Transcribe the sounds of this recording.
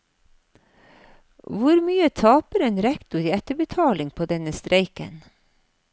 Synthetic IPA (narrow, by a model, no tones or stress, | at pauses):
ʋʊɾmyːət̪ʰɑːpəɾɛːnɾɛkt̪ʊɾiːɛt̪əbət̪ʰɑːlɪŋpʰoːd̪ɛnəst̪ɾʔeɪkə̰n